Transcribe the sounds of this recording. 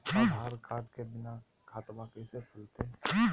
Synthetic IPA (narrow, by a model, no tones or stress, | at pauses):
aaɾkaːɾʈkebɪna | kʰaːt̪makəɪsepʰʊlt̪e